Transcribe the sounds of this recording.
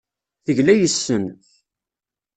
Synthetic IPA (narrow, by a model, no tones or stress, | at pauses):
θəʝlæjəsːən